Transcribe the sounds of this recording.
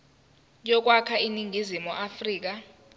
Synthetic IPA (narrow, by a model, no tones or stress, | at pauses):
jʼɔk̬wakʰainiŋɡʱizimuʔafriːk̬a